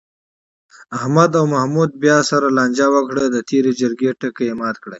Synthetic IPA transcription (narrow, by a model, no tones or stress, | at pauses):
ahmad̪awmahmud̪̚bjɑsaɾalɑːnʲd͡ʒawəkɽəd̪ət̪ʰeɾed͡ʒəɾɡeʈəkeemɑːt̪kɽe